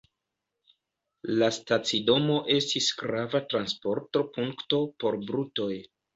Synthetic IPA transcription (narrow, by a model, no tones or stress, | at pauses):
lastat͡sido̞mo̞ʔe̞stisɡɾavatɾanspo̞ɾto̞puŋkto̞po̞ɾbɾuto̞j